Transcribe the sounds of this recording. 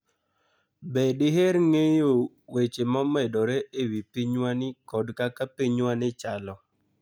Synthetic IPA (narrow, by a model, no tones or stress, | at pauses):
bɛdɪɦeɾŋejo | wet͡ʃemɔmɛdɔɾeʔewipiɲwanɪkɔdkakapiɲwanɪt͡ʃalɔ